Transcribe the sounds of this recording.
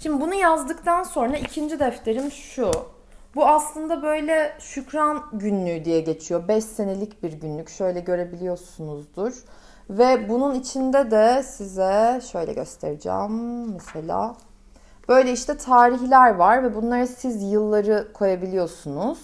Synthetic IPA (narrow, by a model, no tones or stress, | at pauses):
ʃimd̪ibunujazd̪ɯkt̪ʰanso̞nɾaicʰind͡ʒid̪ɛft̪ʰe̞ɾimʃu | buaslˠɯnd̪abø̞jlʲɛʃycɾanɟynlʲyd̪ijɛɟe̞t͡ʃʰijo̞bɛʃse̞ne̞lʲicbiɾɟynlʲycʃø̞jlʲɛɟø̞ɾe̞bilʲijo̞sunuzd̪uɾ̥ | vɛbununit͡ʃʰind̪ɛd̪ɛsizɛʃø̞jlʲɛ̰ɟø̞̰st̪ʰḛɾid͡ʒæ̰mːɛse̞lʲa̰ː | b̥ø̞jlʲɛiʃt̪ʰɛt̪ʰaːɾiçlʲæɾvaɾvɛbunlˠaɾɯsizjɯlˠːaɾɯkʰo̞jabilʲijo̞sunuz̥